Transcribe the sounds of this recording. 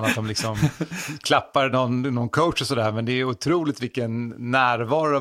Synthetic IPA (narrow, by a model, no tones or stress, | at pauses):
nat̪̚d̪ɔmlɪksɔmkʰlapːaɾnɔnnɔnkʰoʊtʂɔsɔd̪æːɾmɛnd̪ɛʊt̪ʰɾuːlɪkt̪vɪlkːənːæːɾvɑːɾʊ